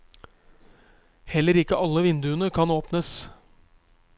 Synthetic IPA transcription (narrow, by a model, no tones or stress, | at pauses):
hɛlːəɾɪkːəʔɑlːəʋɪnd̪ʉənəkʰɑnoːpnəs